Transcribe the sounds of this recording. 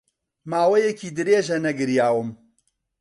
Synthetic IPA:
maːwɐjɛkiːd̪ɨɾeːʒɐnɐɡɨɾjaːwɨm

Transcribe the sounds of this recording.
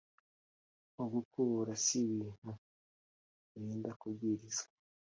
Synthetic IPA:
oɡukuɾasiβiːn̥u | βiːndakuɡiɾizḁ

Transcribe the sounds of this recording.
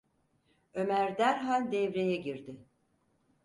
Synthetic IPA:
ø̞mæɾd̪æɾɦalʲd̪ɛvɾejɛɟiɾd̪ɪ

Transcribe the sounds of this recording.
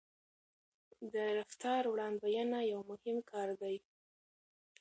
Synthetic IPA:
d̪əɾaft̪ɑɾwɽɑnd̪bajanajawmʊhɪmkʰɑɾd̪aj

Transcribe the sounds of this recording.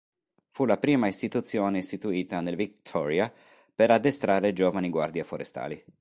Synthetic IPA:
fulapɾiːmaist̪it̪ut̪sːjoːneist̪it̪uiːt̪anelvikt̪ʰɔɾia | peɾad̪ːest̪ɾaːɾed͡ʒoːvaniɡwa̰rd̪jafoɾest̪a̰ːli

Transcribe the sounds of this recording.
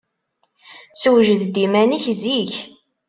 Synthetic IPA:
swʒəðd̪imæniçziç

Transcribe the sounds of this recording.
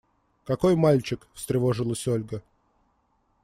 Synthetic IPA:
kɐko̞jmalʲt͡ɕɪkfst̪ɾʲɪvoʐɨlˠəsʲolʲɡə

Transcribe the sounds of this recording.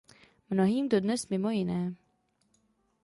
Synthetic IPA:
mnoɦiːmdo̞dnɛsmɪmo̞jɪnɛː

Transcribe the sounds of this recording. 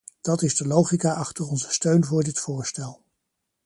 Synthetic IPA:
d̥ɑtɪzdəlowχikaʔɑχtərɔnzə̥støɥnvʊːɹdɪtfʊːɹstɛlˠ

